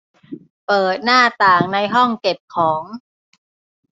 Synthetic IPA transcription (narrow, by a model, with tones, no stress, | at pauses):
pɤː˨˩t̪̚naː˥˩t̪aː˨˩ŋna˧jɦɔ˥˩ŋke˨˩p̚kʰɔː˩˦ŋ